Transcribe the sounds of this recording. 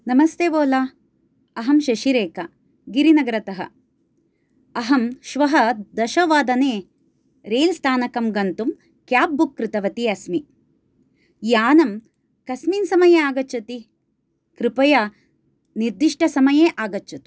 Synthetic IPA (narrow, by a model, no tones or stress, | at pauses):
nɐmɐst̪eːʋoːlaː | ɐɦɐmʃɐʃiɾeːkɐ | ɡiɾinɐɡɐɾɐt̪ɐɦɐ̰ | ɐɦɐmʃʋɐɦɐd̪ɐʃɐʋaːd̪ɐneː | ɾeːlst̪ʰaːnɐkɐmɡɐnt̪um | kjaːp̚bukːɾɪt̪ɐʋɐt̪iɐsmi | jaːnɐm | kɐsminsɐmɐjeaːɡɐt͡ʃːɐt̪i | kɾɪpɐja | niɾd̪iʂʈɐsɐmɐjeːʔaːɡɐt͡ʃːɐt̪u̥